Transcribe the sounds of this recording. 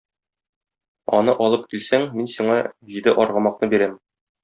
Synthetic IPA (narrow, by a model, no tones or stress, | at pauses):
ɒ̰nɤʔɒlˠɤp̚kilsæŋminsiɴɑʑid̪ɘʔɒɾʁɑ̆mɑq̚nɤbiɾæm